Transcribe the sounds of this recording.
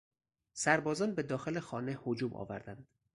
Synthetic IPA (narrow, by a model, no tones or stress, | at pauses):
sæɾbɒːzɒːnbed̪ɒːxe̞lexɒːnehod͡ʒuːmʔɒ̰ːvæɾd̪ænd̪̥